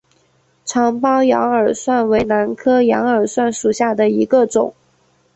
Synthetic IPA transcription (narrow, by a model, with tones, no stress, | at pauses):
ʈ͡ʂʰɑ˧˥ŋpɑ˥ʊjɑ̰˧˥ŋə˞˨˩swa˥˩nwe˧˥ɪna˧˥nkʰɤ˥jɑ̰˧˥ŋə˞˨˩swa˥˩nʂu˨˩ɕja˥˩d̪ə˩i˧˥ɡə˧ʈ͡ʂʊ˨˩˦ŋ